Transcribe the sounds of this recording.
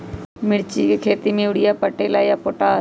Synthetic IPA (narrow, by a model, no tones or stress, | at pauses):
mɪɽt͡ʃikekʰeːt̪imiʋɽijaːpəʈeːlaːijaːpoːʈaː